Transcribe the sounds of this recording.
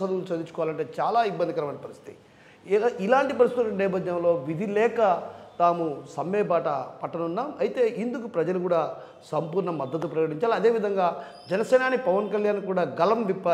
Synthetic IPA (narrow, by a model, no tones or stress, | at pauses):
ɐd̪ulsɐd̪it͡ʃːukɔʋaːlɐɳʈe̞ːt͡ʃaːlaːibːɐnd̪ikɐɾɐmɐaːnɐpɐɾist̪i̥t̪i | ilaːɳʈipɐɾist̪t̪ːnɛːpɐd̪jɐmlo̞ːʋid̪ʱilɛːkɐt̪aːmusɐmːɛːbaːʈɐpɐʈːɐnunːaːmɐjit̪e̞ːʔind̪ukupɾɐd͡ʒɐlukuːɽaː | sɐmpuːɾɳɐmɐd̪ːɐt̪̬upɾɐkɐʈiɲt͡ʃaːliɐd̪e̞ːʋid̪ʱɐŋɡaː | d͡ʒɛnɐsɛːnaːnipɐʋɐnkɐljaːnkuːɽaːɡɐlɐmʋipːaː